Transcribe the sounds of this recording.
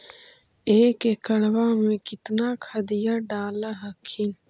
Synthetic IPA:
eːkekɐɽwaːmẽkit̪nakʰɐd̪ijaɖaːlaɦɐkʰin

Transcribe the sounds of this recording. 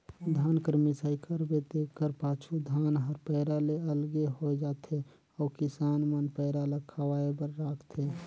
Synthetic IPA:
d̪ʱaːnkəɾmisaːɪkʰəɾbed̪ekːəɾpaːt͡ʃʰud̪ʱaːnɦəɾpɛɪɾaleəlɡeɦod͡ʒaːt̪ʰe | ɔːkɪsaːnmənpəɪɾaləkʰːawaebəɾːaːkʰt̪ʰe

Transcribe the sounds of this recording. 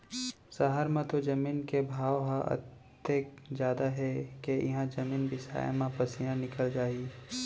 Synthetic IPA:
sɐɦəɾmẽt̪od͡ʒɐmiːnkebʱaːʋɦãʔə̰t̪ː | ekd͡ʒjaːd̪aɦɛkeɪɦãd͡ʒɐmiːnbʱisa̰ːj̰mãpɐsijãnɪkəld͡ʒaːi

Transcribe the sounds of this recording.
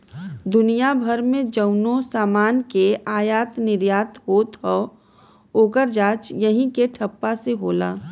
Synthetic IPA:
d̪ʊnijabʱəɾmẽd͡ʒəʊnosaːmaːnkeaːjaːt̪nɪɾjaːt̪ɦoːt̪ɦɔː | oːkəɾd͡ʒaːt͡ʃjəɦĩkeʈʰɐpːaseɦoːla̰ː

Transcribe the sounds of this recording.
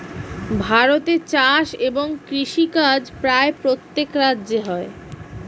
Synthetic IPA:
bʱaɾot̪et͡ɕaʃeboŋkɾiʃikad͡ʑpɾaepɾot̪ːekɾadːʑeɦɔe

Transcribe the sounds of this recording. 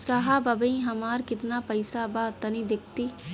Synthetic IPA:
saɦabɐbəĩɦɐmaːɾkɪt̪napɐɪsabaːt̪ɐnĩd̪ɪk̚ʰt̪iː

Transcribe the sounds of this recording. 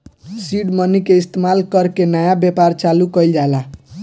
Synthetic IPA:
siɽmʌnikeist̪emalkʌɾkenʌjabjepart͡salukʌjld͡ʒala

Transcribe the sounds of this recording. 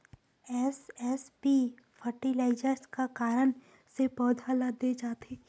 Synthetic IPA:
ɛːsɛːspi | fʰəɾʈilaːɪd͡ʒəɾskakaːɾən | sepɔːd̪ʱalad̪et͡ʃaːt̪e

